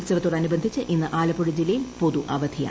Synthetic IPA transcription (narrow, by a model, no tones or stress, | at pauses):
sɐʋɐt̪ːuɽɐɐnubɐnd̪ʱit͡ɕːɨʔinːɨʔaːlɐpːoɽud͡ʑilːɐjilpo̞ðuʔɐʋɐd̪ʱija̰